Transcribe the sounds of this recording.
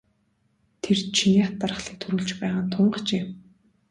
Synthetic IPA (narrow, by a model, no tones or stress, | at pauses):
t̪ʰert͡ɕʰiniat̪ːarə̆χɮiːk̚t̪ʰuɾuːɮt͡ɕpæːʁaːnt̪ʰʊɴɢə̆t͡ɕeː